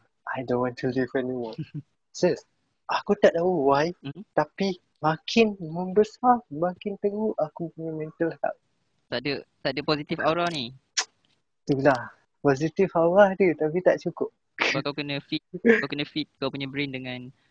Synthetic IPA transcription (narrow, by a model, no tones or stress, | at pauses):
ʔajdõnwɔ̃ntʰulivɛnimɔ | səs | ʔakut̪aʔd̪auwaj̩t̪api | mãkʰɪnmə̃mbəsamãkɪnt̪əɡuʔakupuɲãmɛ̃nt̪əlhɛ̰p̚ | t̪aʔdət̪aʔdəpɔsit̪ifawɾani | t̪ulah | pɔzit̪ifaɾahdət̪apit̪aʔt͡ʃukʊp̚ | akawkənə̃fit̪̚kawkənə̃fit̪̚kawpuɲabɾindəŋãn